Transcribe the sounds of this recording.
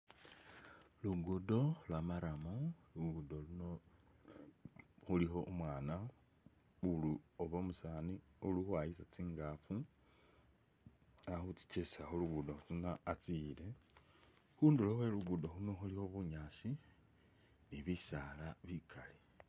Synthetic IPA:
luɡudo̞lwamaɾamoluɡudoluno | xulixo̞ʔumwaːna | uluoβo̞musaːniuluxwajisat͡siːŋɡafu | axut͡si̥t͡ʃesaxoluɡudohut͡sinaːt͡sile̞ | xuːndilohweluɡudo̞huno̞xulihoβuɲaːsi | niβisalaβikʰale

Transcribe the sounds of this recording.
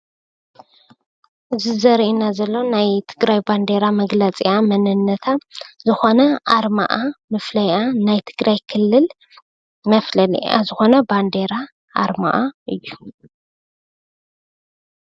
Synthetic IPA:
ʔɨzizɐɾʔinazɐlːo̞najt̪ʰɨɡɾajband̪e̞ɾamɐɡlɐt͡sʼijamɐnɨnːɐt̪ʰazɨxo̞nɐʔaɾma̰ʔamɨflɐjʔanajt̪ʰɨɡɾajkʰɨlːɨl | mɐflɐlḭʔa̰zɨxo̞nɐband̪e̞ɾa | ʔa̰ɾma̰ʔaʔɨjːu

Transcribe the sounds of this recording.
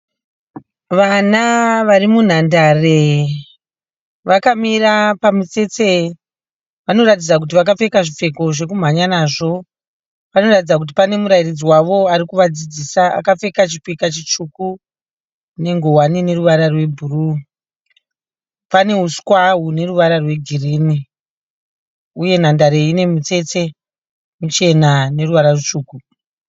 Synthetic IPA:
ʋanaʋarimun̤andare | ʋakamirapamit͡se̞t͡se | ʋano̞ɾat̬id͡zak̬ut̬iʋakap͡fe̞kaʐip͡fe̞ko̞ʐe̞kum̤aɲanaːʐo̞ | ʋano̞ratid͡zak̬ut̬ipane̞muɾajirid͡ziwaʋo̞aɾikuʋad͡zid͡zisaa̰kap͡fe̞kat͡ʃipikat͡ʃit͡ʂuku | ne̞ŋɡo̞wanine̞ruʋaɾarwe̞bʱuru | pane̞ɦuskwaɦune̞ruʋaɾarwe̞ɡʱiriːni | uje̞n̤andaɾe̞ine̞mut͡se̞t͡se̞ | mut͡ʃe̞nane̞ruʋaɾarut͡ʃuːku

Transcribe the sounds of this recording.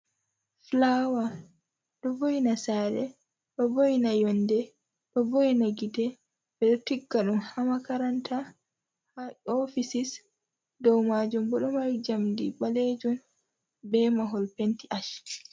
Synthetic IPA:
flawa | ɗɔvojnasaːɾɛ | ɗɔbojinajɔndɛ | ɗɔbojinaɡidɛ | bɛɗɔtiɡːaɗumhamakaɾantʰa | hɔfisis | dɔwmad͡ʒumbɔɗɔmawd͡ʒamdḭɓaled͡ʒɔn | bɛmaɦɔlpentiʔaʃ

